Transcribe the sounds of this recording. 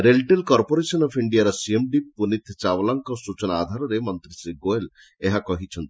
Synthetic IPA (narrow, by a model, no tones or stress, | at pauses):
ɾelʈelkɔɾpoɾesɔnɔpʰiɳɖijaɾɔsiemɖipunit̪ʰt͡ʃawlaŋkɔsut͡ʃɔnaːd̪ʱaɾɔɾemɔnt̪ɾisɾiɡoel | eɦakɔɦit͡ʃʰɔnt̪i̥